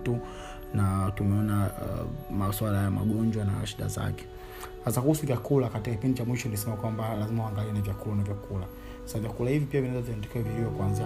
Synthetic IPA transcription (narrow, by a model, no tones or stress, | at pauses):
tu | natumɛɔna | maswalajama̰ɓɔɲd͡ʒwanaʃiɗa̰za̰kɛ̥ | hasakuhusuvjakulakatikakipindit͡ʃamwiʃɔniis̬ɛmakwambalazimahuaŋɡaliɛnavjakulanavjakula | savjakulahivipiavinɛzaviɛndɛkɛɛviiɔkuanzi